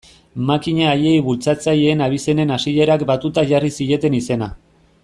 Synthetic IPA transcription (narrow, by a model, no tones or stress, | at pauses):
makiɲaːje̞jβult͡sat͡sajeːnaβ̞ise̞ne̞nasiʎe̞ɾakbat̪ut̪aʝarisie̞t̪e̞nise̞na